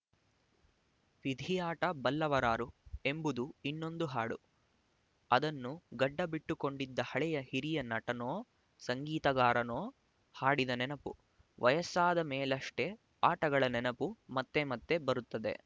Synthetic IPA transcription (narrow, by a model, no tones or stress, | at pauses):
ʋid̪ʱijaːʈɐbɐlːɐʋɐɾaːɾue̞mbud̪uinːo̞nd̪uɦaːɽu | ɐd̪ɐnːuɡɐɖːɐbiʈːuko̞ɳɖid̪ːɐhɐɭɛjɐhiɾijɐnɐʈɐnoː | sɐŋɡiːt̪ɐɡaːɾɐno̞ː | haːɽid̪ɐnɛnɐpṵ | ʋʔɐjɐsaːd̪ɐmeːlɐʂʈe̞ | aːʈɐɡɐɭɐnɛnɐpumɐt̪ːemɐt̪ːe̞bɐɾut̪ːɐd̪e̞̰